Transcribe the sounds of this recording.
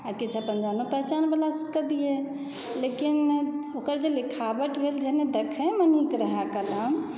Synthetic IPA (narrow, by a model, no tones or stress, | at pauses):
aɾkit͡ʃʰəpənd͡ʒanupəɦt͡ʃanbəlasəkəd̪ije | lekinokəɾd͡ʒelikʰabəʈbʱeld͡ʒəɦned̪ekʰə̃mənikɾəɦakələm